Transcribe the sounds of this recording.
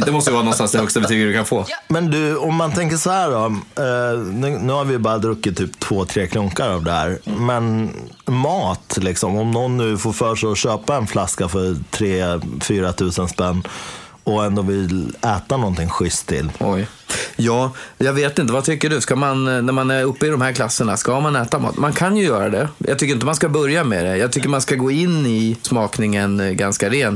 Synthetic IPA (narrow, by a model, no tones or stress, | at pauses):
d̪ɛmɔst̪əjəvɑːnɔnst̪ansd̪ɛhɵkst̪abɛt̪ʰyːɡəd̪ɵkʰanfoːmɛnd̪ɵɔmːant̪ʰɛŋkəʂɔhæːɖɔ | nʉːnʉ̟ːhaɾvɪjbɑːɾad̪ɾɵkːɪt̪ʰːyːpt̪ʰv̥oːt̪ʰɾeːkʰlʊŋkaɾavd̪ɛhæ̰ːɾmɛnmɑːt̪lɪksɔmɔmnɔnːʉ̟ːfoːɾfœːʂɛɔɕøːpaɛnflaskafœɾt̪ʰɾeːfyːɾat̪ʰʉ̟ːsənspɛnː | ɔɛnd̪oːvɪlɛːt̪anɔnt̪ʰɪŋɧʏst̪ʰːɪ̰lːɔj | jɑːjɑːɡveːt̪ɪnt̪əvat̪ʰʏkːəɖɵskamannæɾmanæɾɵpːəɪd̪ɔmhæɾkʰlasːəɳaskamanɛːt̪amɑ̰ːt̪mankʰanjɵjœːɾad̪ɛjʔɑ̰ɡt̪ʏkːɾɪnt̪əmanskabœɾjamɛd̪ɛjɑːt̪ʰʏkːəɾmanskaɡoːɪnːɪsmɑːknɪŋənɡanskaɾeːn